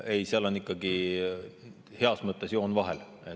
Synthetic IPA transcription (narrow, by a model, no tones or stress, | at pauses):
e̞jseɑlo̞nikːˑɑɡi | he̞ɑsmɤt̪ːˑe̞sjo̞ːnvɑɦḛl | e